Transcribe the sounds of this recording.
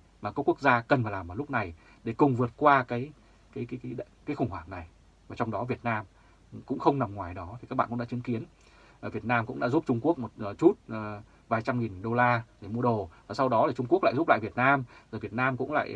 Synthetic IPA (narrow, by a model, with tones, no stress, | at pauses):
maː˨˩kɔ˨˦˥ku˦˥ək̚zaː˧kə˨˩nfaː˨˩jlaː˨˩mʔə˨˩lk͡p̚na˨˩j | ɗe˧˩kʊ˨˩ŋ͡mvɨ˨˩ət̚kwaː˧kaː˨˦j | kaː˨˦jkːkaː˨˦jxʊ˧˩ŋ͡mhwaː˧˩ŋna˨˩j | vaː˨˩t͡ɕɔ˧wŋ͡mɗɔ˨˦vi˨˩ət̚naː˧m | kʊ̰˧˥ŋ͡mxə˧wŋ͡mna˨˩mŋwaː˨˩jɗɔ˨˦t̪ʰi˨˩kaː˦˥k̚ɓ̰ːkɗa̰ː˧t͡ɕɨ˨˦ŋki˨˦ənː˨˩ | vi˨˩ət̚naː˧mkʊ̰˧˥ŋ͡mɗa̰ː˧˥zu˦˥p̚t͡ɕʊ˧ŋ͡mku˦˥ək̚mo˨˩t̚ːt͡ɕu˦˥t̚ː | vaː˨˩jt͡ɕa˧mŋi˨˩nɗo˧laː˧ɗe˧˩mu˧əɗo˨˩vaː˨˩sa˧wɗɔ˨˦laː˨˩t͡ɕʊ˧ŋ͡mku˦˥ək̚l̰ːzu˦˥pla̰ː˧˨jvi˨˩ət̚naː˧mzo˨˩vi˨˩ət̚naː˧mkʊ̰˧˥ŋ͡mla̰ː˧˨j